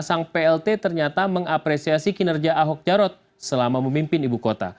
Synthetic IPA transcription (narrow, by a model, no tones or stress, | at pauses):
saŋpeɛlt̪et̪ərɲat̪aməŋapɾesiasikinərd͡ʒiaaɦɔk̚d͡ʒaɾɔt̪̚ | səlamaməmimpɪnibukot̪a̰